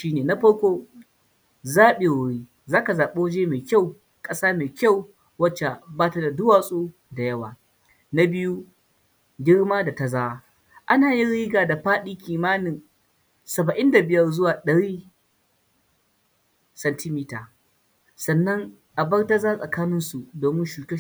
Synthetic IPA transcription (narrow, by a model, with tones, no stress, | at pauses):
ʃiː˦neː˨na˦ɸɐ˦ɽkʷoː˦ | zaː˦ɓe˨wʊ˦ɽiː˦ | zaː˦ka˨zaː˨ɓe˦wd͡ʒeː˦meː˨kʲa˦˨w | kʼɐ˦saː˦meː˨kʲa˦˨w | wɐ˦t͡ʃːe˨baː˦ta˦da˨dʊ˦waː˨sʼoː˦ | da˨jɐ˦waː˨ | na˦bɪ˦ju˦ | ɡʲɪ˦ɽmaː˦da˨ta˨zaː˦wa˦ | ʔa˦naː˨ji˦ɽiː˦ɡaː˨da˨ɸaː˦ɗiː˦kʲiː˨maː˦nɪ˨n | sɐ˨bɐ˨ʔɪ˦nda˨bɪ˦jɐ˦rzʊ˦waː˨ɗɐ˨ɽiː˦ | sɐ˨ntɪ˦miː˦taː˨ | sɐ˨nːɐ˦ŋ | ʔa˨bɐ˦rta˦zaː˦sʼɐ˨kaː˦nɪ˦nsu˨doː˨mɪ˦ʃuː˨ke˦